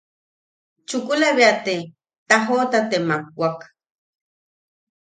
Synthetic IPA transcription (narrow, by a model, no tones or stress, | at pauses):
t͡ʃukulaβiat̪e | t̪aɦot̪at̪emaŋwak